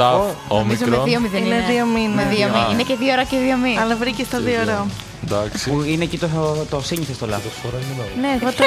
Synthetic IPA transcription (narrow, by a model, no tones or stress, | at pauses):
omizoɾoðiomiðeinneðiominmeðiomiineceðioɾɐceðiominɐlɐvɾicest̪ɐðioɾɐ | ɐksipuineːcit̪ot̪osiɲiθest̪olɐosoɾɐineːɣot̪